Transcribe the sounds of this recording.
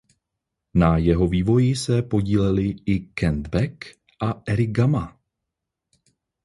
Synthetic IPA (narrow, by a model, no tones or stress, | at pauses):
najɛɦo̞viːvo̞jɪsɛpo̞ɟiːlɛlɪɪkɛnd̪bɛk | ʔaʔɛɾɪɡama